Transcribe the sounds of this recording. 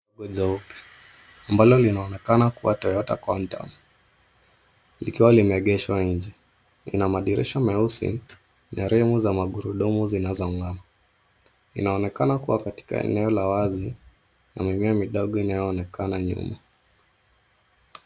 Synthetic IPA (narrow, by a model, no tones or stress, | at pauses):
ɡɔʄaupi̥ | ambalɔlinaɔnɛkanakuwatɔjɔta̰kwan̩ta̰mu | likiwalimɛɠɛʃwaɲ̩d͡ʒɛ | ḭnamaɗiɾḭʃamɛusḭ | naɾɛmuzamaɠuɾuɗumuzinazɔŋɡama | ḭnaɔnɛkanakuwakati̥ka̰ɛ̰nɛɔlawazi | na̰mimiamiɗɔɠɔinajɔːnɛkanaɲṵma